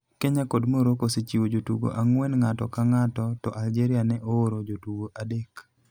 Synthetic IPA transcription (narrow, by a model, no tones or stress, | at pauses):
keɲakodmoɾokoset͡ʃiwod͡ʒotṵɡo̰ʔaŋwɛnŋatɔ̰kaŋatɔtɔʔald͡ʒeɾianɛʔooɾod͡ʒotuɡoʔadek